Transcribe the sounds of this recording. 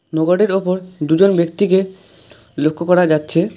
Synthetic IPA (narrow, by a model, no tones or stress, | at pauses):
nɔɡoɽeɾopoɾd̪ud͡ʑonbek̚t̪ike | lokʰːokɔɾad͡ʑatːɕʰe